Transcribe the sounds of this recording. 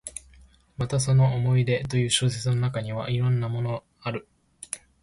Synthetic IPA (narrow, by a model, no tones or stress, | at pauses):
mat̪aso̞no̞omo̞id̪e̞t̪o̞jɯ̟ːɕɨːs̬e̞t͡sɨno̞nakaɲ̟iβ̞a̰ʔiɾõ̞nːamo̞no̞ | aɾɯ̟